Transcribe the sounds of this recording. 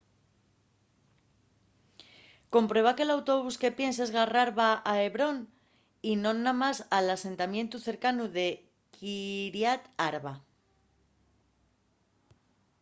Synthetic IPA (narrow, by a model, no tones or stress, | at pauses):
ko̞mpɾwe̞β̞ake̞lawt̪o̞β̞uske̞pje̞nse̞zɣaraɾβaae̞βɾo̞n | inõ̞nːamasalase̞nt̪amjẽ̞nt̪uθe̞ɾkanuðe̞ | kiɾjat̪aɾβa